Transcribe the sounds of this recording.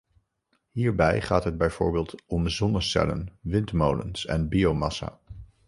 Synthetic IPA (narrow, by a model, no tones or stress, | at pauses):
ɦiːɹbɛjχaːtɦəd̚bɛjv̥o̰ːɹbɪːlˠtɔmzɔnəsɛ̰lə̰nʋɪntmowlə̰nsɛ̰nbiowmɑsa̰ː